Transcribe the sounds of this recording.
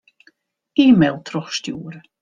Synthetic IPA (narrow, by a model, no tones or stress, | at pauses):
iːmelˠtʰrɔχstjuːɾə